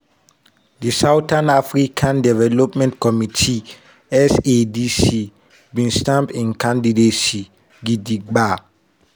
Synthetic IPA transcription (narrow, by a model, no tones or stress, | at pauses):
disawtʰãnafɾikʰãndɛvɛlopmɛ̃ntkʰɔmitʰi | ɛsedisi | bĩnstãmbĩnkʰãndidesi | ɡidiɡ͡ba